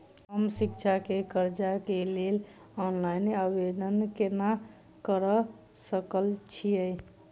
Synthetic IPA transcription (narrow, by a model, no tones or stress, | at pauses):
ɦəmsikt͡ʃʰakekəɾd͡ʒakelel | ɔnlajneabed̪ənkena | kəɾə | səkəlt͡ʃʰijəj